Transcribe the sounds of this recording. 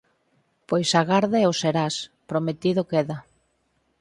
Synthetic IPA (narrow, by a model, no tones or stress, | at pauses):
pojsaɣaɾðeoseɾaspɾomet̪iðʊkeða